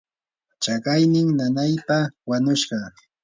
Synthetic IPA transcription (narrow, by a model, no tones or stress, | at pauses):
t͡ʃakajnɪŋnanajpawanʊʃɢɑ